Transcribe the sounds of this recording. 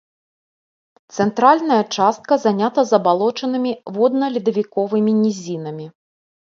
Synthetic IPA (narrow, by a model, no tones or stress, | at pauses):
t̪sɛnt̪ɾalʲnɐjɐt͡ʂast̪̚kɐzanʲat̪ɐzɐbalˠɔt͡ʂɐnɨmʲivɔd̪̚nɐlʲid̪ɐvʲikɔvɨmʲinʲizʲinɐmʲi